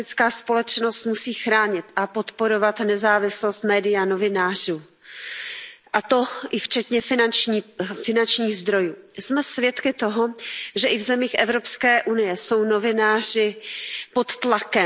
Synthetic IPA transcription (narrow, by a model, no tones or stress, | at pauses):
ɪt͡skaːspo̞lɛt̪t͡ʃnost̪musiːxɾaːɲɪt̪ʔapo̞t̪po̞ɾo̞vat̪nɛzaːvɪslost̪mɛːdɪjanovɪnaːr̝uː | ʔat̪o̞ʔɪft͡ʃɛt̪ɲɛfɪnant͡ʃɲiːfɪnant͡ʃɲiːɣzd̪ɾo̞juːsmɛsvjɛt̪kɪt̪oɦoʒɛʔɪvzɛmiːxʔɛvɾopskɛːʔunɪjɛso̞wno̞vɪnaːr̝ɪpot̪t̪lakɛ